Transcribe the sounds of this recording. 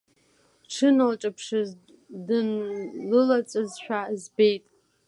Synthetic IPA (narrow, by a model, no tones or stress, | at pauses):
ʈ͡ʂʰɨnalʈ͡ʂʼapʰʂɨz | dɨnlɨlat͡sʼɨzʃᶣazbe̞jtʼ